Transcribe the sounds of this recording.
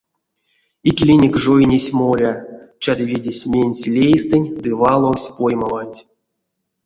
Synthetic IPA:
ikʲilʲinʲekʲʐojnʲesʲmoɾʲat͡ʃad̪ɨvʲedʲesʲmʲenʲsʲlʲejst̪ɨnʲd̪ɨvɑlˠosʲpojmavanʲtʲ

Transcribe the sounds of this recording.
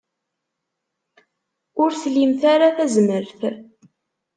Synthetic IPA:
ʊɾθlimθaɾaθæzməɾθ

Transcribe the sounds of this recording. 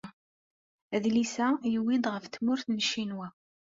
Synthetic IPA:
æðlisæjəwid̪ʁəfθmʊɾθnəʃːinwæ

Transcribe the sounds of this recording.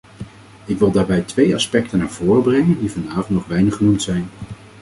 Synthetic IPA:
ɪkʋɪlˠdaːɹbɛjtʋejɑspɛktənːaːɹvʊːrəbrɛŋəndivɑndaːvɔntnɔχʋɛjnəχənumtsɛjn

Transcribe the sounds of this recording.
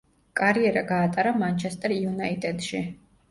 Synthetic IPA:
kʼaɾiɛɾaɡaːt̪ʼaɾamant͡ʃʰɛst̪ʼɛɾiunait̪ʼɛt̪ʃi

